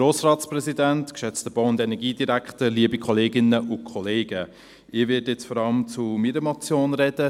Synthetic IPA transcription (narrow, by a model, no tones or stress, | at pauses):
ɾoːsrɑːtsprɛzidæntkʃɛt͡stəb̥oʊʊndɛnɛɡiːdiɾæktəliəbikʰχɔleːɡɪnəʔʊkʰχɔleːɡ̥ə | ɪːʋɪtjɛt͡sfɔɾɑləmt͡sumiɾəmɔt͡sjoːnɾɛd̥ə